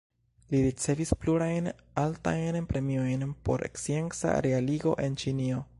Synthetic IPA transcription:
liɾit͡se̞vispluɾajn | alta̰jnpɾe̞mio̞jnpo̞ɾʔe̞̰ksient͡sa̰ɾealiɡo̞̰ʔe̞nt͡ʃinio̞

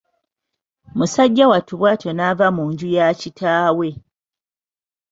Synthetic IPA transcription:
musaɟːawatuβwaːtjo̞navamuːɲɟujacitʰaːwe̞

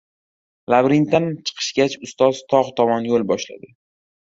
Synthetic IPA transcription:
labɾint̪ant͡ʃʰɨ̥qʰɨ̥ʃɡʲat͡ʃʊst̪ɒzt̪ʰɒʁt̪ʰɒmɒnjolbɒʃla̰d̪ɪ

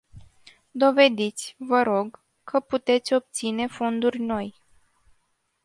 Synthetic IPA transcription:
d̪o̞ve̞d̪it̪sʲvəɾo̞ɡ | kʰːəput̪e̞t̪sʲo̞p̚t̪sine̞fo̞nd̪urʲno̞j

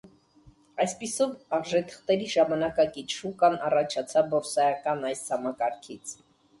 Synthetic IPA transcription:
ɑjspisɔvɑʁʒɛt̪ʰə̥χt̪ɛɾiʒɑmɑnɑkɑkit͡ʃʰukɑnɑrɑt͡ʃʰɑt͡sʰɑbɔɾsɑjɑkɑnɑjshɑmɑkɑɾkʰit͡sʰ

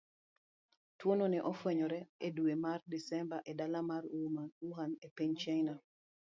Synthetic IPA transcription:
twononɛʔɔfwɛɲɔɾɛeduemardisɛmbaʔɛdalamaɾuɦanepeɲt͡ʃajna

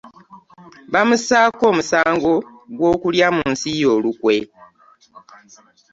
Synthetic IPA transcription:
βamusaːko̞ːmusaːŋɡo̞ | ɡwo̞ːkuljamuːnsijo̞ːlukwe̞

